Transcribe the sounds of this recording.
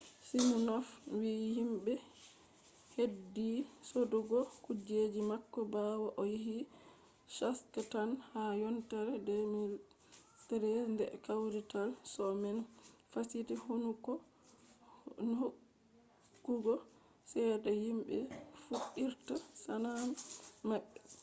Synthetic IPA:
simunɔfwihimɓɛ | hedːisoduɡɔkud͡ʒed͡ʒimakːɔbawaʔɔjiɦi | ʃaskatanhajɔntaɾɛdɛmi | tɛɾɛndɛ̰kawɾitalsɔmɛnfasitihonukɔ | nhokː | uɡɔ | sɛdɔhimɓɛ̰fuɗiɾtasanammaɓːɛ

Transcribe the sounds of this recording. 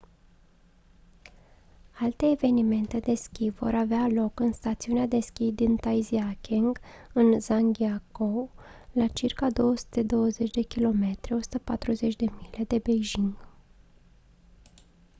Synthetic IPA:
alt̪e̞ːve̞nime̞nt̪e̞d̪e̞skʲivo̞̰ɾavealo̞kɨnst̪at̪siunead̪e̞skʲid̪int̪ajziakʲeŋɡɨnzaŋɡʲiakolat͡ʃirkad̪o̞wəsu̥t̪e̞d̪o̞wəze̞t͡ʃʲd̪e̞kʲilo̞me̞t̪ɾieo̞su̥t̪əpat̪ɾuze̞t͡ʃʲd̪e̞mile̞d̪e̞bejʒiŋɡ

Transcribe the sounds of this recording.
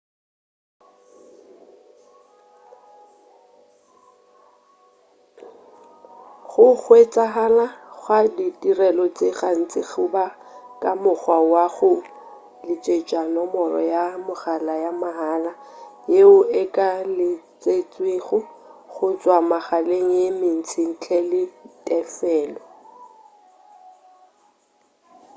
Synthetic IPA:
χʊk͡xwet͡sʼaɦalaɣwaditirɛlɔt͡sʼeχaŋ̩t͡sʼɪχʰʊba | kʼamʊk͡xwawaɣʊ | lɪt͡ʃʼet͡ʃʼanɔmɔrɔ̰jamʊχalajamaɦalajeʊɪkʼalɪt͡sʼet͡sʼweχʊχʊt͡sʼwamaχaleŋ̩jemɪn̩t͡sʰɪŋ̩t͡ɬʰɛlɪtʼɛfɛːlɔ

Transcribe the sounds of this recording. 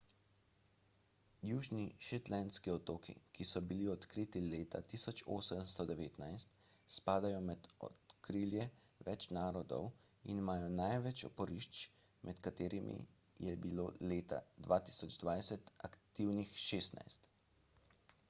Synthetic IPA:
juːʒniʃɛt̪lɛnskiɔt̪oːkḭkisɔbiliɔt̪kɾiːt̪ileːt̪a̰t̪iːsɔt͡ʃo̰ːsəmst̪ɔd̪ɛʋeːt̪najst̪spaːd̪ajɔmɛd̪ɔ̰t̪kɾiːljɛʋɛt͡ʃnaːɾɔd̪ɔ̰wḭnimaːjɔnajʋɛt͡ʃɔ̰pɔɾiʃt͡ʃ | mʔɛt̪kat̪eːɾimʔḭ | jɛbilo̰ːleːt̪a̰d̪ʋaːt̪i̥ːsɔd͡ʒd̪ʋajsɛt̪akt̪iwnixʃeːst̪na̰jst̪

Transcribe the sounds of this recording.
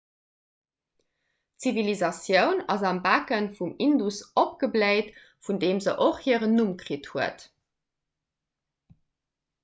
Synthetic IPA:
t͡sivilizɑsjəʊnɑzɑmbakənfumindusop̚ɡəbleɪt | fundeːmzəʔoχhiəʁənumkʀithuət

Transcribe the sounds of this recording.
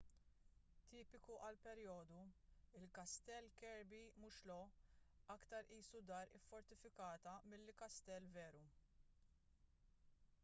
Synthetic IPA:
t̪iːpɪkuʔɐlpɛɾjɔːd̪uɪlkɐst̪ɛlkɛɾbimʊʃlɔ | ɐkt̪ɐɾʔiːsud̪ɐːɾɪ̰fːɔɾt̪ɪfɪkɐːt̪ɐmɪlːɪkɐst̪ɛlːvɛːɾu

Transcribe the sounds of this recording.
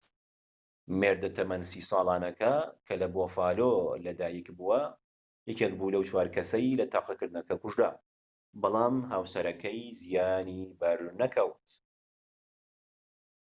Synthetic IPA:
meɾd̪ɐt̪ʰɐmɐnsiːsˤɑːlˠɑːnɐkʰɐkʰɐlɐbofaːlolɐd̪aːjikbuwɐ | jɛkek̚buːlɐwt͡ʃʰwaːɾkʰɐsɐjlɐt̪ʰaːqɐkɨɾd̪ɨnɐkɐkuʒd̪a̰ː | bɑlˠaːmɦaːwsɐɾɐkʰɐjzijaːnibɐɾnɐkʰɐwt̪

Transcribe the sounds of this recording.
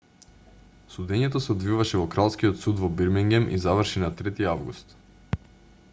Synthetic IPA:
sud̪ɛɲɛt̪osɛod̪vivaʃɛvɔkɾalˠskijɔt̪sud̪vɔbiɾmiŋɡʲɛmʔḭzavəɾʃinat̪ɾɛt̪iavɡust̪

